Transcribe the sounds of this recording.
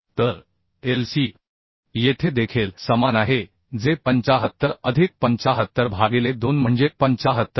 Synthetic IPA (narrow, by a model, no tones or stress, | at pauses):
t̪əɾ | elsiː | jet̪ʰed̪ekʰelsəmanaɦe | d͡zepəɲt͡saɦət̪ːəɾəd̪ʱik̚pəɲt͡ɕaɦət̪ːəɾbʱaɡiled̪onm̤əɳd͡zepəɲt͡ɕaɦət̪ːə